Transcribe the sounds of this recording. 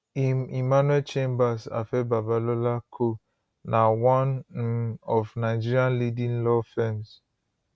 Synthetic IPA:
imimanwɛlt͡ʃẽmbasa̰fɛbabalolakʰo | nawɔ̃n | ɔvnaɪd͡ʒiɾianlidĩnlɔfɛns

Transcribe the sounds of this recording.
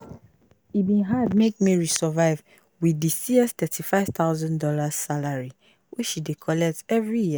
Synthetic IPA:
ibĩnɦad̚mek̚meɹisɔvaɪv | widisiɛst̪ɛtʰifaɪv̥t̪aʊzãndɔlaz̥salaɹi | wʔit͡ʃʃidekʰɔlɛk̚tɛvɹijiə

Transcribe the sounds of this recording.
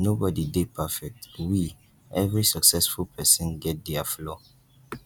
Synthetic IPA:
nobɔdidepʰafɛk̚twi | ɛvɹisəksɛsfulpʰɛsɔ̃nɡɛt̚dɛaflɔ

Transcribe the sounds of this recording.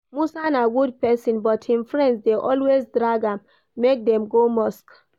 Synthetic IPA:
musanaɡud̚pɛsĩnbɔthĩmfɹɛ̃ndsdeʔɔlwezdɹaɡãmː | ek̚dɛ̃mɡomɔsk

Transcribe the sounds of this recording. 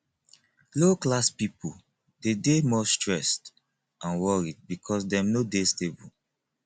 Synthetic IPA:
loklaspipu | dedemɔstɹɛst | ãnwɔɹid̚bikʰɔs̬dɛ̃mnodestebul

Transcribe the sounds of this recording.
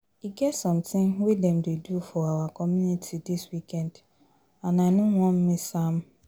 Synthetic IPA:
iɡɛtsɔ̃mtɪ̃nwidɛ̃mdedufɔawakʰɔmjunitʰidiswikɛ̃nd̥ | ãnaɪnũwɔ̃m̩mĩsam

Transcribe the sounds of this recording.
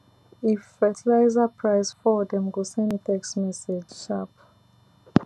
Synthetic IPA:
ifɛtʰilajzapʰɹajsfɔdɛ̃mɡusɛ̃ntʰɛksmɛsed͡ʒʃap

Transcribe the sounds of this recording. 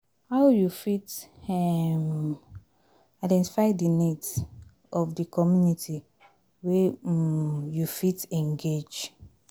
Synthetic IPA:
hawjufitɛm | aɪdɛ̃nti̥faɪdinit | ɔfdəkʰɔmjunitʰi | we | jufitɛ̃nɡed͡ʒ

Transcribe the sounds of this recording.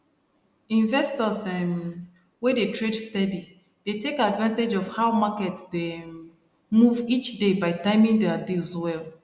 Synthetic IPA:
ĩɱvɛstɔsɛm | wedetɹedstɛdi | d̥etekadvãnted͡ʒɔfhaʊmakɛtde | muvit͡ʃdebaɪtãɪmĩŋdɛadilswɛlˠ

